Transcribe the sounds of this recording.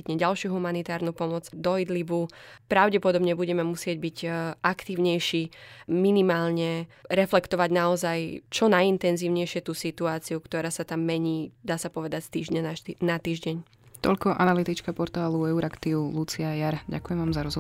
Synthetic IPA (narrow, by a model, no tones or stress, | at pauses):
it̪ɲɛɟalʃɪuɦumanit̪aːɾnupɔmɔd͡zd̪ɔid̪libupɾaʊɟɛpɔd̪ɔbɲɛbuɟɛmɛmusɪɛɟbiɟʔakt̪iːʊɲɛjʃiːminimaːlɲɛɾɛflɛkt̪ɔʋaɟnaɔzajt͡ʃɔnajint̪ɛnziːʊɲɛjʃɪɛt̪uːsit̪uaːt͡siukt̪ɔɾaːsat̪amːɛɲiːd̪aːsapɔʋɛd̪acst̪iːʒɲananat̪iːʒɟɛɲ | t̪ɔ̰ʎkɔʔa̰nalit̪it͡ʃkapɔɾt̪aːluɛuɾakt̪iulut͡siajaɾɟa̰kujɛmʋaːmzaɾɔz